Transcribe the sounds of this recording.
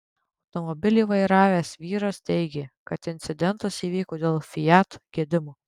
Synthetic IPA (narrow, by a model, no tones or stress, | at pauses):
ɒʊt̪ɔmɔbʲɪlʲiːʋɐɪɾɑːʋʲeːsʋʲiːɾɐst̪ʲɛɪɡʲeːkɐt̪ɪnʲt̪sʲɪd̪ʲɛnt̪ɐsiːʋʲiːkoːd̪ʲeːlˠfʲɪjæt̪ɡʲiɛd̪ʲɪmuː